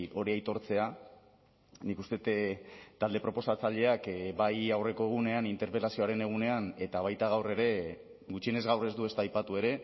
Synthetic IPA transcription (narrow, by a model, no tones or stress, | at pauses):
o̞ɾiajt̪o̞ɾt͡se̞a | nikust̪e̞t̪t̪ald̪e̞pɾo̞po̞sat͡saʎe̞akbajawre̞ko̞e̞ɣ̞une̞anint̪e̞ɾpe̞lasioaɾe̞ne̞ɣ̞une̞ane̞t̪aβ̞ajt̪aɣ̞awre̞ɾe̞ | ɣut͡ʃiene̞zɣawre̞zd̪ue̞st̪ajpat̪ue̞ɾe̞